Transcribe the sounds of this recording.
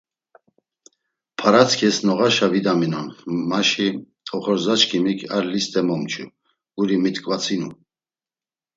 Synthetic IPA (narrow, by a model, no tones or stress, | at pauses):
pʰaɾat͡sʰkʰɛsnɔʁaʃavid̪aminanfmaʃi | ɔχɔɾzat͡ʃkʰimikʰaɾlist̪ʼɛmɔmt͡ʃʰṵ | ɡ̥uɾimit̪kʼvat͡sʰinu